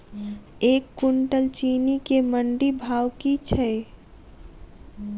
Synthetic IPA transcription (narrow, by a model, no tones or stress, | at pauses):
eːkːʊɳʈəlt͡ʃiːnikeməɳɖibʱaːwkit͡ʃʰɛ